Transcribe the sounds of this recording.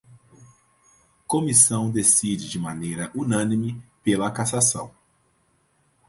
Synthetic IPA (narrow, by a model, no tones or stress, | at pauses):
komisɐ̃w̃d̪esid͡ʒɪd͡ʒɪmanejɾɐʔunɐ̃nimɪpelɐkasasɐ̃w̃